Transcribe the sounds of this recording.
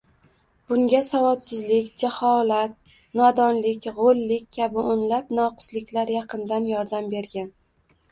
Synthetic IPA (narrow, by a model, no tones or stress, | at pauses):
b̥ʊŋɡʲasavɒt̪sɪzlɪkʲd͡ʒahɒlˠat̪̚ | nɒd̪ɒnlɪkʲʁolːɪkʲʰkʰʲːabɪʔonlapnɒqʰʊ̥slɪkʲlaɾjɑqʰɨnd̪anjɒɾd̪ambe̞ɾɡʲan